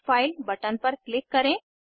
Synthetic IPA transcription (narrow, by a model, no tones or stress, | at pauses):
failbəʈanpəɾklikːəɾẽ